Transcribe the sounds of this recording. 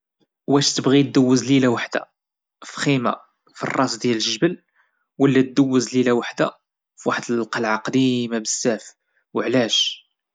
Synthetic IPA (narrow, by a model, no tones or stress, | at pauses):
wæʃt̪əbɣid̪əwːəzlilawaħd̪̥æ̰ | fixima̰ | fḭrˤːɑsd̪jælʒəʒbəl | wəlːæd̪əwːəzlilæwaħd̪æ̰ | fwaħəd̪əlqɑlʕaqd̪imabəsːæf | wəʕlæʃ